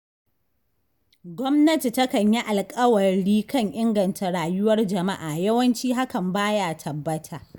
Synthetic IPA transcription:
ɡʷɔ˦mnɐ˦ti˨tɐ˦kɐ˨ɲji˦ʔa˨lkʼɐ˦wɐ˨ɽiː˦kɐ˦˨ɲʔɪ˦ŋɡɐ˨ntʰa˨ɽaː˨jʊ˦wɐ˦rd͡ʒɐ˨ma˦ʔaː˨jɐ˦wɐ˦nt͡ʃiː˦ɦa˦kɐ˨mbaː˦jaː˦˨tʰɐ˨bːɐ˦tʰaː˨

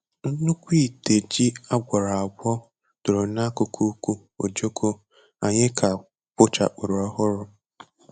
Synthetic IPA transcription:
n̩˦nu˦kʷi˦˨te˨d͡ʒi˦a˦ɡʷa˨ɾa˨a˨ɡ͡bʷɔ˦ | d̥ʊ˨ɾʊ˨na˦kʊ˨kʰu˦kʷu˦ | o̰˨d͡ʒo˦kʰo˦ | a̰˨ɲɪ˦kʰa˨ | pʊ˦t͡ʃa̰˨k͡pʊ˨ɾɔ˦ɦʊ˦ɾʊ˦

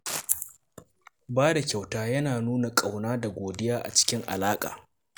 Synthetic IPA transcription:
baː˦da˨kʲa˨wtaː˦jɐ˦naː˨nuː˦na˨kʼa˨wnaː˦da˨ɡʷoː˨dɪ˦jaː˦ʔa̰˨t͡ʃɪ̥˦kʲɪ˦ŋʔa̰˨laː˦kʼa̰ː˨

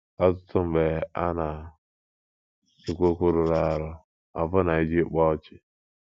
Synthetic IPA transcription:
a˦tʊ˦tʊ˦m̩˨be˨˦a̰˦na˨ | i˨kʷo˦kʷu˦ɾʊ˨ɾa˦˨ɾʊ˦ | a˨vʊ˦na˨i˦d͡ʒi˦k͡pɔ˦t͡ʃɪ̥˦

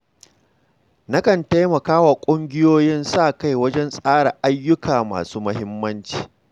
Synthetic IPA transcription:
na˦kɐ˨nta˦jmɐ˨kaː˦wa˨kʷʼʊ˦ŋɡʲɪ˦joː˦jɪ˦nsaː˦˨ka˦jwɐ˦d͡ʒɛ˦nsʼaː˦ɽa˨ʔa˦jːʊ˦kaː˨ma̰ː˨suː˦mɐ˦ɦɪ˦mːɐ˦nt͡ʃi̥ː˨

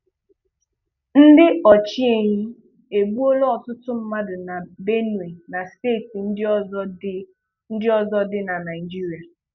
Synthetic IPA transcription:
n̩˦dɪ˦ɔ˨t͡ʃi˦e˨ɲi˦ | e˨ɡ͡bu˦o˦lɔ˦ɔ˨tʊ˦tʊ˦m̩˦ma˦dʊ˨na˨be˦nu˨e˨na˨ste˦˨ti˨n̩˦dz | n̩˦dɪ˦ɔ˦zɔ˦dɪ˦na˨na˨ɪ˨d͡ʒi˦ɾi˨a˨

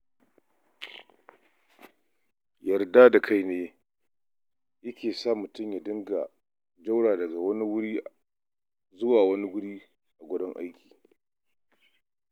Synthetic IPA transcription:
jɐ˨rda˦da˨kʰa˦jneː˦ | jɐ˦kʲeː˨saː˦˨mʊ˨tʊ˦˨mja˨dɪ˦ŋɡa˨ | d͡ʒa˦wɽaː˨dɐ˨ɡa˨wɐ˦ni˦wʊ˦ɽiː˦ | zʊ˦waː˨wɐ˦ni˦wʊ˦ɽiː˦ | ʔa˨ɡʷʊ˦dɔ˦ŋʔa̰˦jkʲi̥ː˨

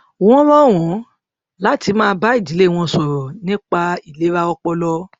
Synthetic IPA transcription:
w̃ɔ̃˦ɾɔ˦˨w̃ɔ̃˨˦ | la˦ti˧˦mãː˦˧˦ba˦i˦˨di˨˦le˦˨w̃ɔ̃˧sɔ˨ɾɔ˨nĩ˦k͡pa˧i˨le˨˦ɾa˦ɔ˧k͡pɔ˧lɔ˦

